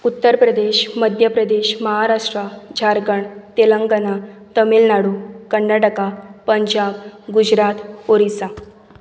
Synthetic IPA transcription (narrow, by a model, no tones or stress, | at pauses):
ut̪ːəɾpɾəd̪eɕməd̪ʱjəpɾəd̪eɕməɦaɾaʂʈɾad͡ʑʱaɾɡəɳt̪eləŋɡənat̪əmilnaɽukəɳːaʈəkapəɲd͡ʑabɡud͡ʑɾat̪oɾisa